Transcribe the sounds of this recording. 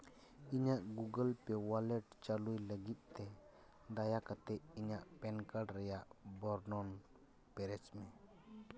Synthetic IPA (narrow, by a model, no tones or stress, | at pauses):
iɲaʔɡuɡəlpɛwalɛʈ̚t͡ʃalujləɡit̪̚ˀt̪ɛ | d̪ajakat̪ɛʔiɲaʔpɛnkaɖɾɛjaʔbɔɾnɔn | pɛɾɛt͡ʃmɛ